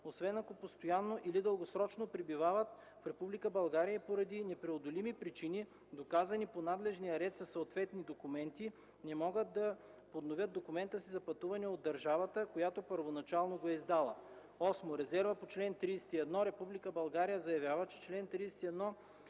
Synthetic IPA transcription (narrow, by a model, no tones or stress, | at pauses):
osvɛnɐkopost̪ojanːoʔilid̪əlˠɡosɾɔt͡ʃnopɾibivavət̪ | fɾɛpublikəbɐlˠɡaɾijɐpoɾɐd̪inɛpɾɛod̪olimipɾit͡ʃini | d̪okazɐniponad̪lɛʒnijɐɾɛt̪sɐsɐot̪vɛt̪nid̪okumɛnt̪i | nɛmɔɡət̪d̪ɐ | pod̪novʲjəd̪̚d̪okumɛnt̪əsizɐpɐt̪uvɐnɛod̪ːɐɾʒavɐt̪əkojat̪opəɾvonɐt͡ʃalˠnoɡoɛizd̪alˠə | ɔsmoɾɛzɛɾvəpot͡ʃlɛnt̪ɾijsɛ̥t̪iɛd̪nɔɾɛpublikəbɐlˠɡaɾijəzɐjɐvʲjavət͡ʃɛ̥t͡ʃlɛnt̪ɾiːsɛ̥t̪iɛd̪nɔ